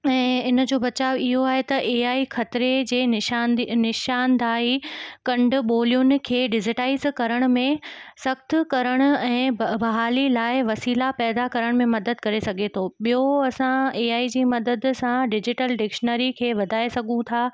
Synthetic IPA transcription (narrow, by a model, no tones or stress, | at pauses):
ɛ̃ːɪn̆d͡ʑoːbɐt͡ɕaːʋiɦoaːɦet̪ɐʔeːaːixɐt̪ɪɾed͡ʑeː | nɪʃaːnd̪ʱaːikɐ̃ɳɖ̆ɓoːlijʊnɪ̆kʰeːɖɪzɪʈaːɪzkɐɾəɽ̃ʊ̆mẽsɐxt̪ʰkɐɾəɽ̃ʊ̆ɛ̃ːbɐɦaːlilaːɪʋɐsiːlapɛːd̪akɐɾəɽ̃mẽmɐd̪əd̪̚kɐɾesɐɡʱet̪ʰoːɓijoɐsãeːaːid͡ʑiːmɐd̪əd̪sãɖɪd͡ʑɪʈəlɖɪkʃnəɾikʰeːʋɐd̪ʱaːesɐɡʱũt̪ʰaː